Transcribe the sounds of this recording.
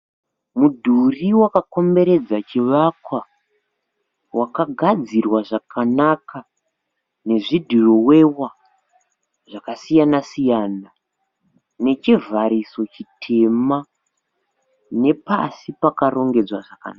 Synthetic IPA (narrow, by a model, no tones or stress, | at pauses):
mudʱuriwakako̞mbe̞ɾe̞d͡zat͡ʃiʋakwa | wakaɡʱad͡zirwaʐakʰanakʰa | ne̞ʐidʱiro̞we̞wa | ʐakasijanasijana | ne̞t͡ʃivʱaɾiso̞t͡ʃitʰe̞ma | ne̞pa̰sipakaro̞ŋɡe̞d͡zwaʐaka̰naa